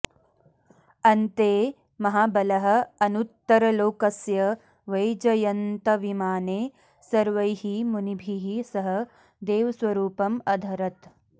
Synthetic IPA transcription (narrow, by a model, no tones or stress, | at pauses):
ɐnt̪eː | mɐɦaːbɐlɐɦɐ̆ɐnut̪ːɐɾɐloːkɐsjɐ | ʋɐjd͡ʒɐjɐnt̪ɐʋimaːneː | sɐɾʋɐjhimunibʱiɦisɐɦɐ | d̪eːʋɐsʋɐɾuːpɐmɐd̪ʱɐɾɐt̪